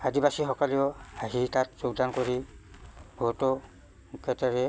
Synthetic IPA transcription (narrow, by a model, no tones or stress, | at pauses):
adibasixɔkaliɔaɦitatzoɡdankoɹi | bʱɔtɔ | kɛtɛɹɛ